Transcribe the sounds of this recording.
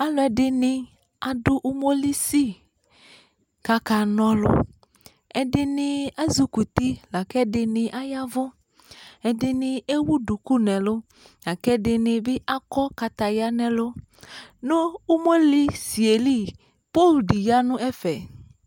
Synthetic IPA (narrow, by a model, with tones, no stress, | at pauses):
a˦lʊ˦ɛ˨dɪ˦nɪ̃˨ | a˨dʊ˦ʔu˦mo˦li˦si˦ | ka˦ka˨nɔ̃˦lʊ̰˦ | ɛ˨dɪ˦nɪ˨a˦zu˦ku˨t̪i˦la˨kɛ˦dɪ˨nɪ̃˨ʔa˦ja˦vʊ˦ | ɛ˨dɪ˦nɪ̃˨e˦wu˦du˨ku˦nɛ̃˨lʊ˦ | la˨kɛ˦dɪ˨nɪ̃˨bɪ˦ʔa˦kɔ˦ka˨t̪a˨ja˦nɛ̃˨lʊ˦ | nʊ̃˦u˦mo˦li˦si˨e˨li˦˨ | po˦˨lɖi˨ja˦nʊ̃˦ɛ˦fɛ˨